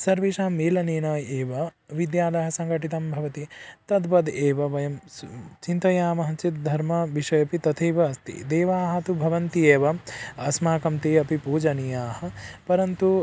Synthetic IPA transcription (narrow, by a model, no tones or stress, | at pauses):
sɐɾʋiːʃaːmːeːlɐniːnɐːjeːʋɐʋid̪jaːlɐɦɐ̆sɐŋɡɐʈit̪ɐmbʱɐʋɐt̪it̪ɐd̪pɐd̪eːʋɐʋɐjɐmt͡ʃint̪ɐjaːmɐɦɐt͡ʃit̪̚d̪ʱɐɾmɐʋiʃɐjɐpit̪ɐt̪ʰeːʋɐːst̪ḭd̪eːʋaːɦɐ̆t̪ubʱɐʋɐnt̪ieːʋɐɐsmaːkɐmt̪eːɐpipuːd͡ʒɐnijaːhɐ̆pɐɾɐnt̪u